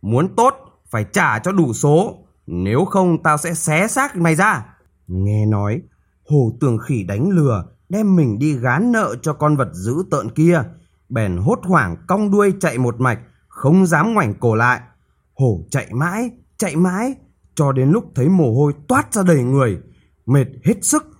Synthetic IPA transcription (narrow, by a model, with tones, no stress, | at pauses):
mu˨˦ənt̪o˦˥t̚ | faː˧˩jt͡ɕaː˧˩t͡ɕɔ˧ɗu˧˩so˨˦ | ne˨˦wxə˧wŋ͡mt̪aː˧wsɛ̰˧˥sɛ˨˦saː˦˥k̚ma˨˩jzaː˧ | ŋɛ˧nɔ˨˦j | ho˧˩t̪ɨ˨˩əŋxi˧˩ɗa˨˦jŋ̟lɨ˨˩ə | ɗɛ˧mːï˨˩ŋ̟ɗi˧ɣaː˨˦nːə̰ː˧˨t͡ɕɔ˧kɔ˧nvə˨˩t̚zɨ̰˧˥t̪ə̰ː˧˨nki˧ə | ɓɛ˨˩nɦo˦˥t̚hwaː˧˩ŋka˧wŋ͡mɗu˧əjt͡ɕa̰˧˨jmo˨˩t̚ma˨˩jk̟̚ | xə˧wŋ͡mzaː˨˦mŋwa˨˩jŋ̟ko˧˩la̰ː˧˨j | ho˧˩t͡ɕa̰˧˨jma̰ː˧˥j | t͡ɕa̰˧˨jma̰ː˧˥j | t͡ɕɔ˧ɗe˨˦nlʊ˦˥k͡p̚t̪ʰə˨˦jmo˨˩ɦo˧jt̪waː˦˥t̚zaː˧ɗə˨˩jŋɨ˨˩əj | me˨˩t̚he˦˥t̚sɨ˦˥k̚